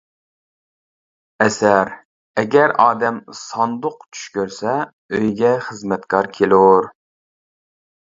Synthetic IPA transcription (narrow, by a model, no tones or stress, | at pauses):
ɛsæɾ | ɛɡʲɛɾɑːd̪ɛmsɑnd̪ʊq̚t͡ʃʰy̥ʃkʲøɾsɛ | øjɡʲɛχəzmɛt̪kʰɑɾkʲʰelˠuɾ